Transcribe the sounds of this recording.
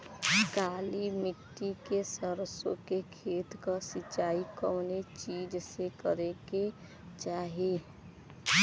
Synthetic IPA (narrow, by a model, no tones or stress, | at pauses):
kaːlimɪʈːikesəɾəsõ̰kekʰeːt̪kasɪt͡ʃaːikəmnet͡ʃiːd͡ʒsekəɾeke | t͡ʃaːɦi